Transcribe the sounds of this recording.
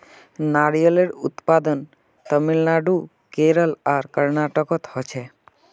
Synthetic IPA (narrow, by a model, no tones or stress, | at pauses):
naɽijoleɾut̪pad̪ən | t̪əmilnaɖu | keɾəlaɾkəɾnaʈɔkɔt̪hɔt͡ɕʰe